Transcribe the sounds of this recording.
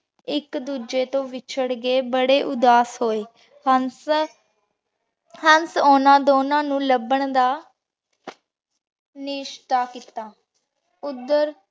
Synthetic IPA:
ɪkd̪uːd͡ʒeːt̪õːʋɪt͡ʃʰəɽɡeːbəɽeːʔʊd̪aːsɦoːeː | hən | hənsoːnãːd̪oːnãːnũːləbəɳd̪aː | nɪʃt̪aːkiːt̪aː | ʊd̪ːəɾ

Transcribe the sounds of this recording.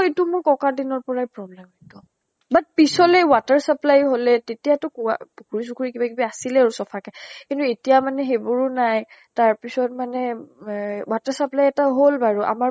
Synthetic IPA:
etumʊɹkɔkadinɔɹpɔɹajpɹɔblɛmetɔ | bat̚pisɔlɛwataɹsaplajɦolɛtetijatɔkua̰kʰuɹis̬ukʰuɹikibakibaasilɛaɹusɔpʰakɛkintuetijamanɛxebɔɹunajtaɹpisɔtmanɛ | wataɹsaplajɛtaɦolbaɹuʔa̰ma

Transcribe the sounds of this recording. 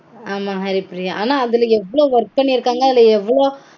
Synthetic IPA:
aːmaːɦɐɾɪpɪɾɪjaʔaːnaːɐðɪlɛʋːɐɭoːʋɐɾk̚pɐɳːiɪɾɯkːaːŋɡɐɐðɪlɐɛʋːɐɭoː

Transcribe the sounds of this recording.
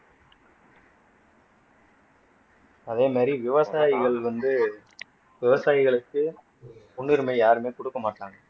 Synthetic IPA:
ɐðeːmaːd̪ɾiʋɪʋɐsaːjɪɣɐɭʋɐnd̪ɯ | ʋɪʋɐsaːjɪɣɐɭɯkːɯ | ʊɳːɪɾmɐɪjaːɾɯmeːkɔɽɯkːɐmaːʈːaːŋɡɐ

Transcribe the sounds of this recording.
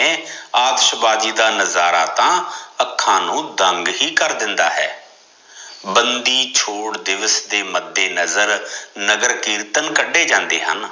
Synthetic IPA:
ẽːaːd̪əʃbaːd͡ʒiːd̪aːnəzaːɾaːt̪ãːəkʰːãːnũːd̪əŋɡɦiːkəɾd̪ɪnd̪a̰ːɦɛ̰ː | bənd̪iːt͡ʃʰoːɽd̪ɪʋəsd̪eːməd̪ːeːnəzəɾnəɡəɾkiːɾt̪ənkəɖeːd͡ʒãːnd̪ḛːɦə̰n

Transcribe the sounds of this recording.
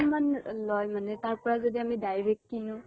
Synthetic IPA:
manlɔjmanɛtaɹpɔɹazodiamidajɹek̚tkinũ

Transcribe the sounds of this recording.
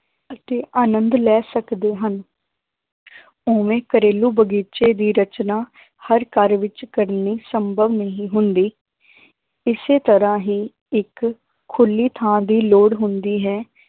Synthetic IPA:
ət̪eːʔaːnənd̪lɛːsəkd̪eːɦən | oːʋẽːkəɾeːluːbəɡiːt͡ʃeːd̪iːɾət͡ʃnaː | həɾkəɾʋɪt͡ʃkəɾniːsəmbʱəʋnəɦĩːɦʊnd̪iː | ɪseːt̪əɾãːɦiː | ɪkʰː | ʊlːiːt̪ʰãːd̪iːloːɽɦʊnd̪iːɦɛː

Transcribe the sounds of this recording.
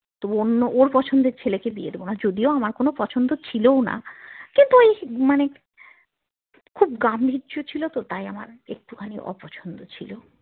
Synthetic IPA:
t̪oonːoʔoɾpɔt͡ɕʰond̪eɾt͡ɕʰelekebied̪ebonad͡ʑod̪ioamaɾkonopɔt͡ɕʰond̪ot͡ɕʰilowna̰kint̪uejmane | kʰubɡambʱidʒot͡ɕʰilot̪ot̪ajama̰ɾḛk̚ʈukʰaniʔɔ̰pɔt͡ɕʰond̪ot͡ɕʰilo

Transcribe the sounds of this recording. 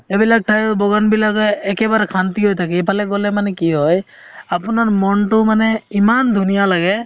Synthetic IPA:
ebilak̚tʰajbɔɡɔnbilakɔɛkɛbaɾɛkʰant̪iɦojt̪ʰakɛpʰalɛɡɔlɛmanɛkiɦɔj | apʊnaɹmɔnʈʊmanɛimand̪ʱunijalaɡɛ

